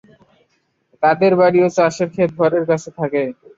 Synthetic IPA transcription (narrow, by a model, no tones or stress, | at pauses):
t̪ad̪eɾbaɽiot͡ɕaʃeɾkʰet̪̚bʱɔɾeɾkat͡ɕʰet̪ʰake